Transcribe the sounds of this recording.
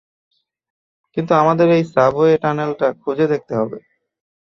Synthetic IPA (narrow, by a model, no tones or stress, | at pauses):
kint̪uamad̪eɾejsaboeʈanelʈakʰud͡ʑed̪ek̚t̪eɦɔbe